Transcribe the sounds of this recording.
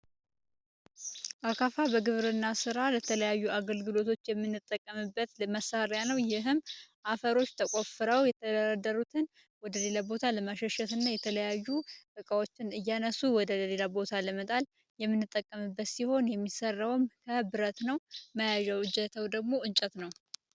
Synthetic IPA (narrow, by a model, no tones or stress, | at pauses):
ʔakʰafabəɡɨβɾɨnːasɨɾalət̪ʰələjajːuaɡəlɡɨlo̞t̪ʰo̞t͡ʃːjɛmːɨnːɨt̪ʼːəkʼːəmɨbːət̪məsaɾejanəwjɪɦɨmːʔafəɾo̞t͡ʃːt̪ʰəkʷʼo̞fɨɾəwjɛt̪ʰəd̪əɾad̪əɾut̪ʰɨn | wɔd̪əle̞labo̞t̪ʰaləmaʃɛʃɛt̪ɨnːajɛt̪ʰələjajːut̪ʼɨkʼawot͡ʃːɪnɨjːanəsuwɔd̪əəle̞labo̞t̪ʰaləmət̪ʼal | jɛmːɨnːɨt̪ʼːəkʼːəmɨbːət̪siho̞njɛmːisərːəwmkʰəbɨɾət̪nəwməjaʒɛwɨd͡ʒɛt̪ʰəwd̪əɡmo̞ɨnt͡ʃʼɛt̪nəw